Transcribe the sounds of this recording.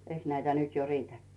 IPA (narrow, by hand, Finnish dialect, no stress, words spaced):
eiks næitæ nyt jo riːtækːiː